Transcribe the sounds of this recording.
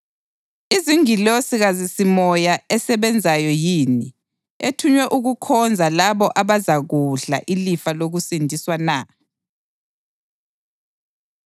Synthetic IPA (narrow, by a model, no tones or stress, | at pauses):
iziŋilosiɣazisimɔjaɛsɛβɛnd͡zʱajɔjiːni | etʰuɲwɛʔuɣukʰɔnd͡zʱalaβɔʔaβazaɣuɮa̰ʔilifaloɣusindʱiswana